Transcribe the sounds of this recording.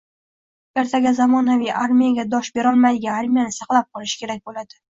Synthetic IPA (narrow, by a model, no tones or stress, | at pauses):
eɾt̪ʰaɡʲazamɒnavijʔaɾmʲijaɡʲad̪ɒʃbe̞ɾɒlˠmajd̪ɪɡʲaaɾmʲijanɪsɑqlˠap̚qʰɒlɪʃɪ̥kʲʰe̞ɾak̚ʲbolad̪ɪ